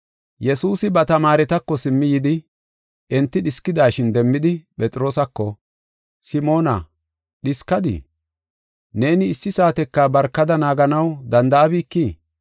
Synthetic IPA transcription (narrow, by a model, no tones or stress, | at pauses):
jɛsuːsɪbɐt̪ɐmaːɾɛt̪ɐkːɔsɪmːɪjɪd̪ɪ | ʔɛnt̪ːɪɗɪskːɪd̪aːʃɪnd̪ɛmːɪd̪ɪpʼɛt͡sʼɪɾo̞ːsɐkːɔ | sɪmo̞ːnɐ̰ | ɗɪskːɐd̪ɪ̰ | ne̞ːnɪːsːɪsaːt̪ɛkːabɐɾkːɐd̪ɐnaːɡɐnɐwd̪ɐnd̪ɐʔɐbiːkːi